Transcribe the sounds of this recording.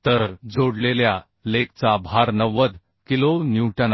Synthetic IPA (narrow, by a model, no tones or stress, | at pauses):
t̪əɾd͡zoɽlelja | lekt͡sabʱaɾnəʋəd̪ | kilonjuʈən